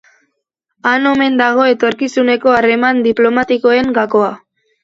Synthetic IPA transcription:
ano̞me̞nd̪aɣ̞o̞e̞t̪o̞ɾkisune̞ko̞aɾe̞mand̪iplo̞mat̪iko̞e̞ŋɡako̞a

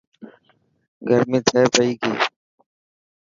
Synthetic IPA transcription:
ɡʱəɾmĩːt̪ʰɛːpəiːkiː

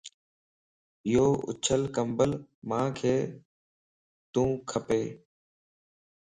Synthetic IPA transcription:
ɪjoːʔʊ̰t͡ʃʰəlkəmbəlmãːkʰeː | t̪ũːkʰəpeː

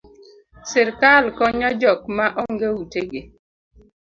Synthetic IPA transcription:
sɪɾkalkɔɲɔd͡ʒɔkmaʔɔŋɡewuteɡe

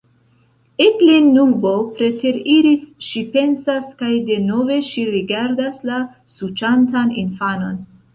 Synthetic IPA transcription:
eklinːubo̞pɾe̞te̞ɾiɾisʃipe̞nsaskajde̞no̞ve̞ʃiɾiɡaɾdasla | sut͡ʃantanḭnfano̞n

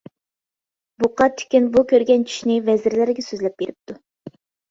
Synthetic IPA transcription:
buqɑt̪ʰi̥kʲinbukʲøɾɡʲɛnt͡ʃʰy̥ʃnɪvɛzɪɾlæɾɡʲɛsøzlɛp̚b̥eɾɪp̚t̪ʰu

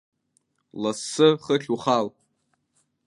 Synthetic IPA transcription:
lasːɨχəɬʲuχal

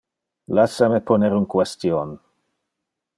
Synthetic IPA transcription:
lasamepʰoneɾunkwest̪jon

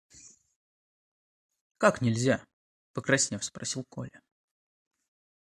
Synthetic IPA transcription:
kaknʲɪlʲzʲa | pəkɾɐsʲnʲefspɾɐsʲilˠko̰lʲɪ

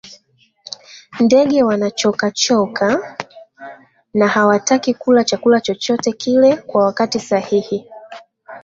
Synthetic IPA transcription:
ndɛɠɛwanat͡ʃɔkat͡ʃɔka | nahawatakikulat͡ʃakulat͡ʃɔt͡ʃɔtɛkʰilɛkwawakatisahihi

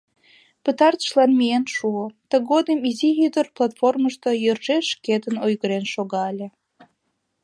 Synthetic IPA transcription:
pət̪ɑrt̪ə̥ʃlɑnmienʃuot̪əɣod̪əmizijyd̪ərplˠɑt̪forməʃt̪ojørʒeʃket̪ənojɣəɾenʃoɣɑəlʲe

